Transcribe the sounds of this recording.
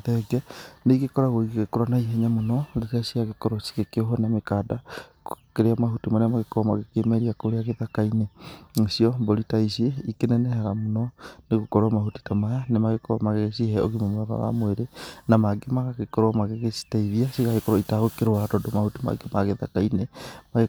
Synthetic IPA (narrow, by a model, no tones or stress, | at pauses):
ðɛɡɛneɣekɔɾaɣoiɣɣekoɾanaiɦɛɲamonɔlitasiaɣekɔɾosi̥ɣekeɔɦɔnamekadakokeɾeamaɦutimaɾeamaɣekɔɾɔmaɣekemɛɾiakoɾeaɣeðakaineŋsiɔmboɾitaisieikenɛnɛhaɾamonɔneɣokoɾwamahuti̥tamajanemaɣekɔɾamaɣeɣesiɦɛoɣimomoaβa̰βa̰mweɾenamaɡemaɣaɣekɔɾwamaɣeɣesi̥taiðiasiɣaɣekɔɾoɔitaɣokeɾoaɾɔdomahutima̰ɡemaɣeða̰kainemaɣe